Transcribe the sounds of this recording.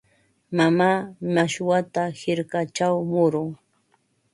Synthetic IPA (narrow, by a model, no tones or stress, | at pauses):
mamaːmaʃwat̪ahɪɾkat͡ʃawmʊɾʊŋ